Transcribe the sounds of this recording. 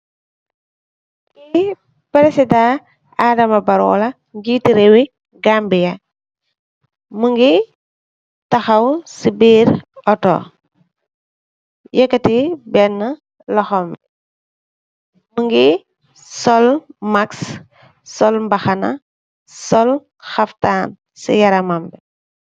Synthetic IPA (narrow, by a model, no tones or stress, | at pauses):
i | pɾesida | aːdɐmɐbɐɾɔ̰ːlɐ | ŋɡiːtiɾewi | ɡaːmbijɐ | məŋɡi | tɐxɐwsibiːɾɔtɔ̰ | jɛkːɐtibɛnːə | lɔxɔmbi | məŋɡi | sɔlmaks | sɔlmbɐxɐnɐ̰ | sɔl | xɐftaːn | sḭjɐɾɐmambɛ